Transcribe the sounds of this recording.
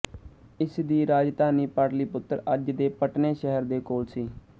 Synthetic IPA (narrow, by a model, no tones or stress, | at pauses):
ɪsd̪iːɾaːd͡ʒd̪aːniːpaːɾliːpʊt̪ːɾəd͡ʒd̪eːpəʈneːʃɛɦəɾd̪eːkoːlsiː